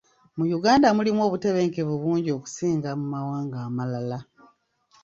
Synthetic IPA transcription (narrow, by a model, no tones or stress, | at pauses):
mujuɡaːndamulimwo̞ːβute̞βe̞ːŋkeβuβuːɲɟo̞ːku̥siːŋɡamumawaːŋɡaːmalala